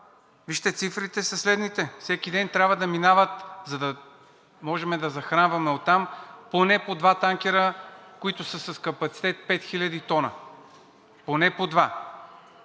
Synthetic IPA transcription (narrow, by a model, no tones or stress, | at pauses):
viʃt̪ɛt̪sifɾit̪ɛsɐslɛd̪nit̪ɛfsɛkid̪ɛnt̪ɾʲabvəd̪ɐminavət̪zɐd̪ɐ | mɔʒɛmɛd̪ɐzɐxɾanvɐmɛot̪ːamponɛpod̪vat̪aŋkʲɛɾəkoit̪ʊsəsɐskɐpɐt̪si̥t̪ɛt̪̚pɛt̪xilʲɐd̪it̪ɔnə̰ | ponɛpod̪va